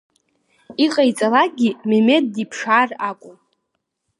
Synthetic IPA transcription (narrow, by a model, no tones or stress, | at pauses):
iqʼajt͡sʼalak̚ɡʲimeme̞d̚ːipʰʂaːrakʷʼʊm